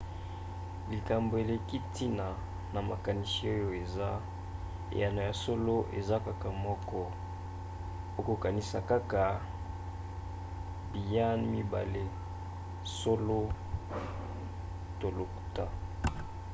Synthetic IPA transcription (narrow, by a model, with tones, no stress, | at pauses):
li˨ka˨mbo˨e˨le˨ki˦ti˦na˨ | na˨ma˨ka˨ni˨si˨˦o˦jo˦e˨za˦ | ḛ˨ja˨na˨ja˨so˦lo˦ʔḛ˨za˦ka˦ka˨mɔ˦kɔ˦ | o˦ko˨ka˨ni˨sa˨ka˦ka˨ | bi˨ja˦nmi˦ba˨le˦ | so˦lo˦ | to˨lo˨ku̥˨ta˦